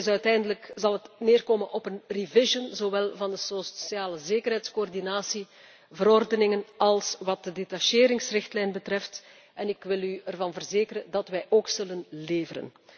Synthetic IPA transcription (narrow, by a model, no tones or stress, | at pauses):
sœɥtɛjndələkzɑlˠɦətneːrkoːmənʔɔpənrivɪʒənzoʋɛlˠvɑndəsosjaːləzeːkərɦɛjtskoɔrdinaːsi | vəɾɔrdənɪŋənɑlˠsʋɑt̚dədetaʃeːɾɪŋsrɪxtlɛjnbətrɛft | ɛnɪkʋɪlyərvɑnvərzeːkəɾəndɑtʋɛjʔoːksɵlənleːvəɾə̰n